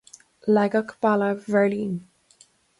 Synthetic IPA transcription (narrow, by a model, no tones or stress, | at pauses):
laɡəkʰpaləvə˞lĩn